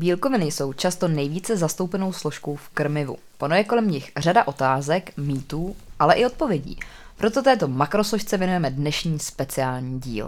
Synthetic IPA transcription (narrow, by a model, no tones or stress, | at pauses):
biːlko̞vɪnɪjso̞wt͡ʃast̪o̞nɛjviːt͡sɛzast̪owpɛno̞wslo̞ʃkowfkɾ̩mɪvṵ | ponojɛko̞lɛmɲɪxr̝adaʔo̞t̪aːzɛkmiːt̪uːʔalɛʔɪo̞t̪̚po̞vjɛɟḭː | pɾo̞t̪o̞t̪̬ɛːt̪o̞makɾo̞sloʃt͡sɛvjɛnujɛmɛdnɛʃɲiːspɛt͡sɪaːlɲiːɟḭːl